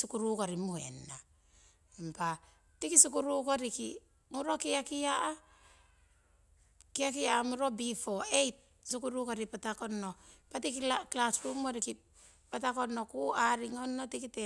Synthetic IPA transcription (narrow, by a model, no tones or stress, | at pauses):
sukuɾukoɾimuhḛnːa | mpa | tikisukuɾukoɾiki | muɾokiakijaʔa | kiakijaːmuɾobifoejt̚ | sukuɾukoɾipatakonopatikiaklasɾumoɾiki | patakonokuaɾiŋonːotikite